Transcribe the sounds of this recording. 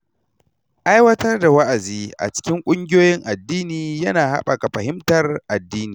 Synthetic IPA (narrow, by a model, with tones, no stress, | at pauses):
ʔa˦jwɐ˦tɐ˦rda˨wɐ˦ʔa˨ziː˦ʔa̰˨t͡ʃɪ̥˦kʲɪ˦ŋkʷʼʊ˦ŋɡʲɪ˦joː˦jɪ˦ŋʔa˨dːiː˦niː˨jɐ˦naː˨ɦa̰˦ɓa˨ka˨ɸɐ˨ɦɪ˦mtɐ˨rʔa˨dːiː˦niː˨